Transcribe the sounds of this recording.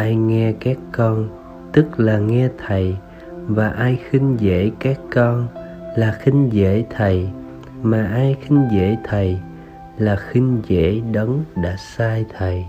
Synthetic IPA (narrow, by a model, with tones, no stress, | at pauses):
ʔaː˧jŋɛ˧kaː˦˥kːɔ˧n | t̪ɨ˦˥k̚laː˨˩ŋɛ˧t̪ʰə˨˩j | vaː˨˩ʔaː˧jxi˧ŋ̟zḛ˧˥kaː˦˥kːɔ˧n | laː˨˩xï˧ŋzḛ˧˥t̪ʰə˨˩j | maː˨˩ʔaː˧jxi˧ŋ̟zḛ˧˥t̪ʰə˨˩j | laː˨˩xï˧ŋzḛ˧˥ɗə˨˦ŋ͡mɗa̰ː˧˥saː˧jt̪ʰə˨˩j